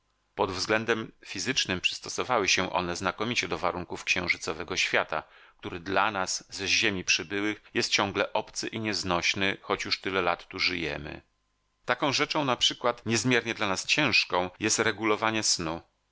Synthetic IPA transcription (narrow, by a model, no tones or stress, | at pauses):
pɔd̪vzɡlɛnd̪ɛmfʲizɘt͡ʂnɘmpʂɘ̥st̪ɔsɔvawɘɕɛʔɔ̰nɛznakɔmʲit͡ɕɛd̪ɔvaɾuŋkufkɕɛ̃w̃ʐɘt̪sɔvɛɡɔɕfʲjat̪a̰k̚t̪uɾɘd̪lanasːʑemʲipʂɘbɘwɘxjɛst̪̚t͡ɕɔ̃ŋ̃ɡlɛʔɔpt̪sɘʔiɲɛznɔɕnɘxɔt͡ɕjuʂt̪ɘlɛlat̪ːuʐɘjɛ̰mɘ̰ | t̪akɔ̃w̃ʐɛt͡ʂɔ̃w̃napʂɘkwat̪ɲɛzmʲjɛɾɲɛd̪lanast͡ɕɛ̃w̃ʂkɔ̃w̃jɛst̪ɾɛɡulɔvaɲɛsnu